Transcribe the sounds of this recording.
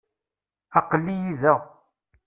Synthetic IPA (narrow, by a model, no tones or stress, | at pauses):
ɑqəlːijiðæ